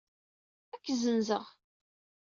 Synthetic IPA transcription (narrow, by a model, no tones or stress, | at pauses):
ækːzənzəʁ